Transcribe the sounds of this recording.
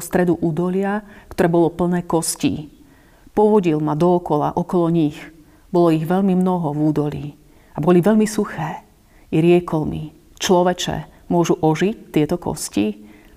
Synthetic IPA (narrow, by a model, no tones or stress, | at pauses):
st̪ɾɛd̪uʔuːd̪ɔlɪakt̪ɔɾɛːbɔlɔpl̩nɛːkɔscḭː | pɔʋɔɟilmad̪ɔːkɔla̰ʔɔkɔlɔɲix | bɔlɔiɣʋɛʎmimnɔɦɔvuːd̪ɔlḭː | abɔliʋɛʎmisuxɛː | ɾɪɛkɔlmi | t͡ʃlɔʋɛt͡ʃɛ̰mʊɔʒuʔɔʒict̪ːɪɛt̪ɔkɔ̰sci